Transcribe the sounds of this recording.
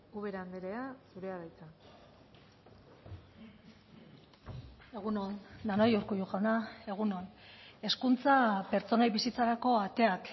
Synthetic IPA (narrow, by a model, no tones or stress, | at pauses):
uβeɾand̪eɾeasuɾe̞aβajt͡sa | e̞ɣunond̪anojuɾkujuxanae̞ɣ̞uno̞ne̞skunt͡sape̞ɾt͡so̞najβisit͡saɾako̞at̪e̞ak